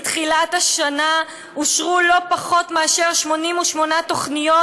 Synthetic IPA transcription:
tχilataʃana | uʃʁulo̞paχo̞tmeaʃe̞ʁʃmo̞nimuʃmo̞nato̞χnijo

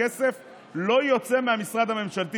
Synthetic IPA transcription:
ese̞f | lo̞jot͡se̞meamisʁad̪hame̞mʃalt̪i

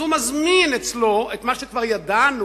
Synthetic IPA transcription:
humazminet͡slo̞et̪maʃekvaʁjad̪anu

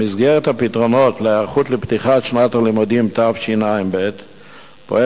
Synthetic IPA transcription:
mizɡeʁet̪hapitʁono̞t̪leaʁχut̪lept̪iχaʃnatalimud̪imt̪afʃinaimbet̪ | poe

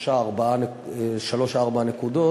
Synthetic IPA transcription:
ʃaːʁbaane | ʃalo̞ʃaaʁbaanekud̪o

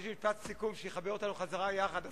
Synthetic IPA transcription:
ʃmifatsikumʃejeχabeot̪anuχazaʁajaχad̪a

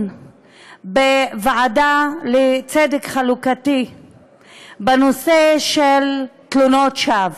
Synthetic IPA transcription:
bevaʕadalet͡sedekχalukati | banoseʃelt̪lunotʃav

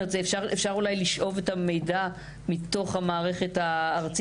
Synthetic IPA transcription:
etzeːfʃaʁefʃaʁulajliʃʔo̞ve̞tame̞jda | mito̞χhamaːʁe̞χetaːʁt͡s

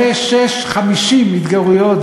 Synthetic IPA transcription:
eʃeʃχamiʃimːid̪ɡaʁujot̪

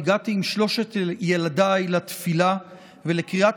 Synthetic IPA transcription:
ɡat̪iːmʃlo̞ʃet̪jeladajlat̪fila | velekʁiʔat

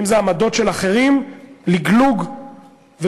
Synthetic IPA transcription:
imzeamad̪o̞tʃe̞laχe̞ʁimliɡluɡ | ve

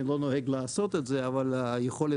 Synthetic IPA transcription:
ilo̞noɦeɡlaːso̞t̪et̪zeavalajeχo̞le

